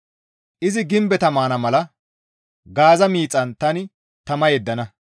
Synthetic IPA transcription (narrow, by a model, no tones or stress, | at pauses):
ʔɪzɪɡɪmbɛt̪ɐmaːnɐmɐlɐ | ɡaːzɐmiːt͡sʼːɐnt̪ɐnɪ | t̪ɐmɐjɛd̪ːɐnɐ